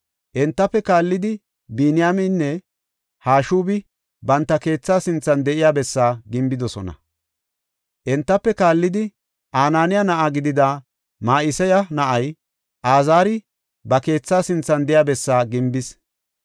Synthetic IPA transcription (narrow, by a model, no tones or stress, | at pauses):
ʔɛnt̪ːɐpːɛkaːlːɪd̪ɪ | biːnɪjaːmɪnːɛ | haːʃuːbɪ | bɐnt̪ːɐke̞ːt͡sːaːsɪnt͡sːɐnd̪ɛʔɪjaːbɛsːaːɡɪmbɪd̪ɔsɔ̰nɐ̰ | ʔɛnt̪ːɐpːɛkaːlːɪd̪ɪ | ʔaːnaːnɪjanɐʔaːɡɪd̪ɪd̪a | maːʔɪsɛjɐnɐʔɐj | ʔaːzaːɾɪ | bɐke̞ːt͡sːaːsɪnt͡sːɐnd̪ɪjaːbɛsːaːɡɪmbɪs